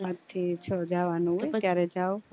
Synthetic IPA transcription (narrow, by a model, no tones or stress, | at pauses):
at̪ʰːit͡ʃʰɔd͡ʒaʋanũɦɔjaɾɛd͡ʒao